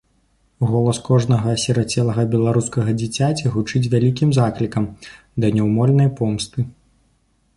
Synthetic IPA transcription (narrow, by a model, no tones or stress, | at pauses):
ɣɔlˠɐskɔʐnɐɣɐsʲɛɾat͡sʲɛlˠɐɣɐbʲɛlˠaɾuskɐɣɐd͡zʲit͡sʲat͡sʲiɣut͡ʂɨt͡sʲvʲalʲikʲimzaklʲikɐm | d̪ɐnʲɛwmɔlʲnɐjpɔmst̪ɨ